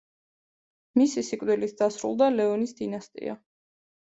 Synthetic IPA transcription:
misisikʼvd̪wilit̪̚ʰd̪̥asɾṵlˠd̪alɛɔnisd̪inast̪ʼḭa̰

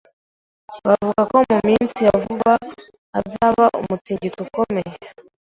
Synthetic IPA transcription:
βavuɡako̞mumiːnsijavuβaː | zaβaʔo̰mut͡siːɲɟituko̞meje

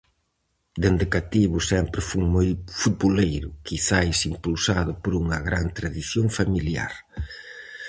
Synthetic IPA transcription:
d̪end̪ɪkat̪iβʊsɛmpɾɪfuŋmojfut̪̚βolejɾʊkiθaesimpulsaðʊpoɾuŋɐɣɾant̪ɾaðiθjoŋfamilja̰ɾ

